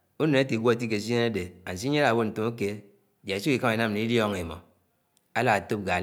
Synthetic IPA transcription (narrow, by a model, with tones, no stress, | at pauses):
u˦ne˨ne˦ti˨ɡʷo˦e˨t̬i˦k̬e˨s̬i˦e˦ne˦de˨a˨si˦ɲe˦a˨wo˦n̩˨to˨mu˦ke˦˨ | d͡ʒa˨si˦ki˨ka˦i˨na˦m˨ni˨˦ljɔ˦ŋe˨mo̰˨ | a˦la˦˨a˨to˦p̚ɡa˨